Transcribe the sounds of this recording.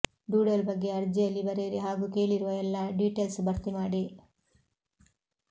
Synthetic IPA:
ɖuːɽɐlbɐɡːe̞ɐɾd͡ʒijɐlːibɐɾeɾiɦaːɡuːke̞ːɭiɾuʋɐɛlːɐɖiːʈeːlsbɐɾt̪imaːɽi

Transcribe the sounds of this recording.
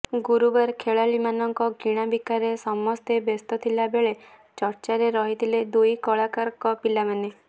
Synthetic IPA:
ɡuɾubaɾkʰeɭalimanɔŋkɔɡiɽ̃abikaɾesɔmɔst̪ebest̪ɔt̪ʰilabeɭe | t͡ʃɔɾt͡ʃaɾeɾɔɦit̪ʰiled̪ujkɔɭakaɾkɔpilamane

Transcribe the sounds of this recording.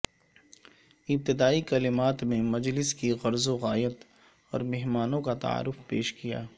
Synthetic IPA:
ɪb̚t̪ɪd̪aːikɐlɪmaːt̪mẽmɐd͡ʒlɪskiɣɐɾzoɣaːjət̪ | ɔ̰ːɾmɛɦmaːnõkat̪a̰a̰ːɾːʊfpeːʃkija̰ː

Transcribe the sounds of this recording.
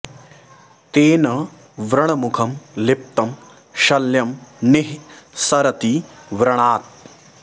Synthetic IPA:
t̪eːnɐ | ʋɾɐɳɐmukʰɐmlɪp̚t̪ɐm | ʃɐljɐmniɦsɐɾɐt̪iʋɾɐɳaːt̪̚

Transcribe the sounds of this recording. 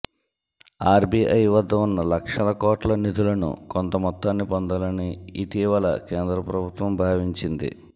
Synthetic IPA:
aːɾbiʔɐjʋɐd̪ʱːɐunːɐlɐkʂɐlɐkoːʈlɐnit̪ulɐnṵkont̪ɐmɔt̪ːaːnːipond̪ɐlɐniit̪iːʋɐlɐ̰keːnd̪ɾɐpɾɐbʱut̪ʋɐmbʱaːʋiɲt͡ʃind̪ḭ

